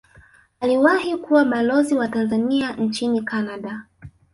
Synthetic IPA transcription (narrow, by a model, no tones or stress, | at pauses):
aliwahikuwaɓalɔziwatanzanian̩t͡ʃinikanaɗa